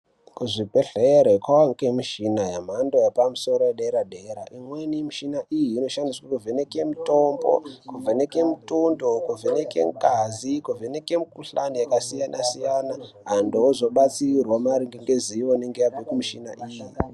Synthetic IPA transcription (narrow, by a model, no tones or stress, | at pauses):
kuʐipeɬeɾekwaaŋkemiʃinajam̤andojapamuso̞ɾojeɗeɾaɗʱeːɾa̰ʔimwenimiʃinaʔijiːno̞ʃandiswakuvʱenekemitombo̞̰kuvʱenekemutundokuvʱenekḛŋkazikuvʱene̞ke̞mikuɬanijakasijanʔasijanaɦandozo̞ɓat͡sirwamaɾiŋɡeŋɡeziwoneŋɡejabekumiʃina̰ʔiji